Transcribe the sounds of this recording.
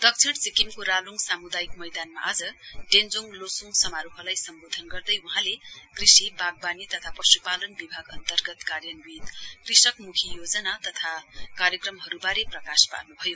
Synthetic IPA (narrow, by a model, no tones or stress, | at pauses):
d̪̥ʌk̚t͡sʰeɽt͡sikimkoɾaluŋɡsamud̪ajikmʌjd̪anma̰ʔad͡zʌɖend͡zoŋlosuŋɡsʌmaɾupʰʌlajsʌmbod̪ʱʌnɡʌrd̪ʌjuɦãlekrisibaɡ̚banit̪ʌt̪ʰapʌsupalʌnbibʱaɡʌnt̪ʌrɡʌt̪karjʌnwit̪krisʌkmukʰijod͡zʌnat̪ʌt̪ʰakaɾjʌkrʌmɦʌɾubaɾeprʌkaspa̰rnubʱʌjo